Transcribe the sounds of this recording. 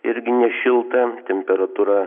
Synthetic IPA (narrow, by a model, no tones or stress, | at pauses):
ɪɾʲɡʲɪnʲɛʃʲɪlˠt̪ɑt̪ʲemʲpʲɛɾɐt̪uɾɑ